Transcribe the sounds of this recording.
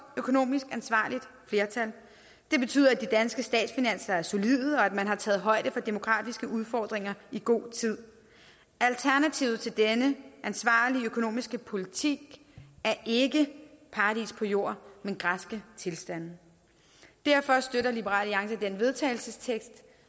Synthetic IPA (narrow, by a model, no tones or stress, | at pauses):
økʰo̝no̝̰ːmisɡ̥ænsʋɑ̰̈ːlid̥fle̝ːɐt͡sʰæl | d̥e̝b̥e̝t͡sʰy̰ð̰ˠɐæd̥id̥ænsɡ̥əsd̥ɛ̰ːd̥sfinæn̰sɐæɐso̝liðˠəɒ̽æd̥mænɦɑ̈t͡sʰɛ̰ːð̞̩ˠɦɒ̽ɪ̰ɾ̥əfɒ̽d̥e̝mo̝ɡkʰʁɑ̰̈ːd̥isɡ̥əuð̞ˠfɒːd̥ʁeŋɐiɡ̥o̝̰ːt͡sʰið̞̰ˠ | ælt͡sʰæɐnæt͡sʰiʊð̩ˠt͡sʰe̝ld̥enəʔænsʋɑ̰̈ːliøkʰo̝no̝̰ːmisɡ̥əpʰo̝lit͡sʰiɡ̥ | æɐʔe̝ɡəpʰɑ̈d̥ḭspʰɒ̽jo̝ɐ̰menɡ̥ʁasɡ̥ət͡sʰe̝lsd̥æn̰ | d̥æɐ̰fɒ̽sd̥øɾɐlib̥əʁɑ̰̈ːliɑ̈ŋsɐd̥enʋe̝ðˠt͡sʰɛ̰ɪl̩səst͡sʰeɡ̥sd̥